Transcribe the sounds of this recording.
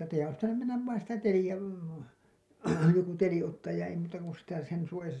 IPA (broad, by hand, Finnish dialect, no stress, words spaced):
tːæ teijæn ois pitænym menːæʋ ʋɑin sitæ telijæ joku teli otːɑːj jɑ ei muːtɑ kun sitæ sen suojɑsɑ